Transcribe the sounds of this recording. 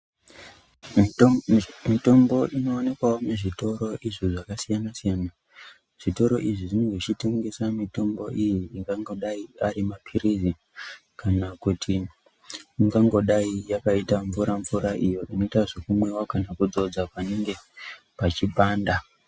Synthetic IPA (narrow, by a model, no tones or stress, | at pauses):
mito̞mbo̞ʔino̞ːne̞kwawomeʐito̞ɾo̞ʔiʐiʐakasijanasijaːna | ʐ̥ito̞ɾo̞ʔiʐiʐinoŋɡet͡ʃite̞ŋɡe̞samito̞mbo̞̰ʔijiiŋɡaŋɡo̞ɗaiaɾimapʰiɾizi | kʰanakutʰi | iŋɡaŋɡo̞ɗaijakaitaɱvuɾaɱvuɾaʔijo̞ʔino̞itaʐekumwe̞wakanakud͡zo̞d͡zapaneŋɡe̞ | pat͡ʃipaːnda